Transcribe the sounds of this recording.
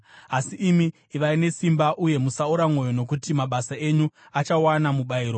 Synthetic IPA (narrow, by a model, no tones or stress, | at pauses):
asiʔːmiː | ʋaine̞simbaʔuje̞musauɾamo̞jo̞no̞kutimaɓasae̞ɲu | at͡ʃawanamuɓaiːɾo